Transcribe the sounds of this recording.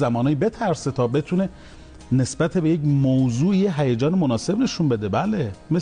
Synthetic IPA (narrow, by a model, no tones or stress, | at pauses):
zæmɒːnɑːjibe̞t̪ʰæɾset̪ʰɒːbe̞t̪ʰune̞ | ne̞sbæt̪ʰebejecmowzuːijeɦæjed͡ʒɒːnemonɒːse̞bne̞ʃunbe̞d̪e̞bæleme